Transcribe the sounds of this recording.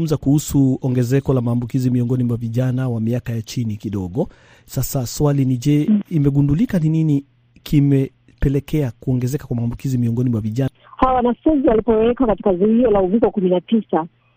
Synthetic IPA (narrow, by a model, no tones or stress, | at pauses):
m̩zakuhusuɔŋɡɛzɛkɔlamaːmbukizimiɔŋɡɔnimwaviʄanawamiakajat͡ʃinikiɗɔɠɔ | sasaswaliniʄɛimɛɠundulikaninini | kʰimɛ | pɛlɛkɛakuɔŋɡɛzɛkakwamaːmbukizimiɔŋɡɔnimwaviʄa | hawwanafuzialipɔwɛkakati̥kazihiɔlauvikɔkuminatisa